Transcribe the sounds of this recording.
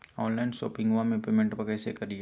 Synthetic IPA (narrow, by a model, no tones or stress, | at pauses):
ɔ̃ːnlaɪnso̰ːpɪ̃ŋɡʋamẽpeːmẽɳʈpɐkɛːsekɐɾi